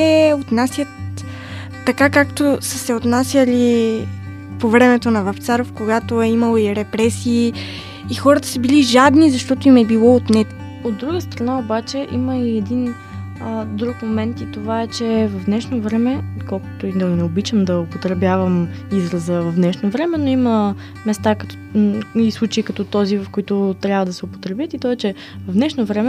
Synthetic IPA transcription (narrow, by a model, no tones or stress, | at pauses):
ɛot̪nasʲjət̪ː | ɐkakakt̪osəsɛot̪nasʲjəli | povɾɛmɛt̪onɐvɐft̪saɾofkoɡat̪oɛiməlˠoiɾɛpɾɛsiː | xɔɾɐt̪ə̥səbiliʒad̪nizɐʃt̪ɔt̪oimɛbilˠɔot̪nɛ | od̪ːɾuɡəst̪ɾɐnaobat͡ʃɛʔiməiɛd̪in | əd̪ɾukmomɛnt̪it̪ovaɛt͡ʃɛvɐvd̪nɛʃnovɾɛmɛkɔlˠkʊ̥t̪ʊid̪ɐnɛobit͡ʃəmd̪ɐopot̪ɾɛbjavɐm | izɾəzəvɐvd̪nɛʃnovɾɛmɛnoimə | mɛst̪ak̪ | islˠut͡ʃɛːkɐt̪ɔt̪ɔzivɐfkoit̪ʊt̪ɾʲabvəd̪ɐsɛopo̥t̪ɾɛbjət̪it̪ɔɛt͡ʃɛ | vɐvd̪nɛʃnovɾɛmɛ